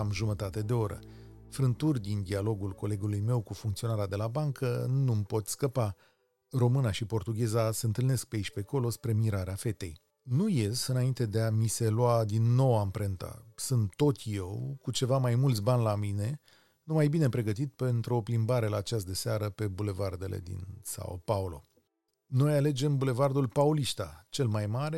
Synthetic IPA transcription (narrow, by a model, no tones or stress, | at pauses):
amʒumət̪at̪e̞d̪e̞o̞ɾə̰ | fɾɨnt̪urʲd̪ind̪ialo̞ɡulko̞le̞ɡulujme̞wkufuŋkt̪sio̞naɾead̪e̞labaŋkʰənumpo̞t̪skəpa | ro̞mɨnaʃipo̞rt̪uɡʲe̞zaseɨnt̪ɨlne̞sk̚peiʃʲpe̞ko̞lo̞spɾe̞miɾaɾeafe̞t̪e̞̰j | nuje̞sɨnaint̪e̞d̪e̞amise̞luad̪inːo̞wampɾe̞nt̪a̰sunt̪t̪ːo̞t̪je̞wkut͡ʃe̞vamajmult̪sʲbanʲlamine̞ | numajbine̞pɾe̞ɡət̪it̪̚pe̞nt̪ɾuo̞plimbaɾe̞laːt͡ʃasd̪eseaɾəpe̞bule̞vard̪e̞le̞̰d̪ḭnsa̰o̰paulo̞̰ | no̞jale̞d͡ʒe̞mbule̞vard̪ulpauliʃt̪a̰t͡ʃe̞lmajmaɾe̞